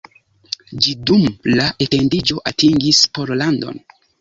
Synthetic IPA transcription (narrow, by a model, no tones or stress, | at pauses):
d͡ʒidumlaʔete̞ndid͡ʒo̞ʔatiŋɡispoɾlando̞̰n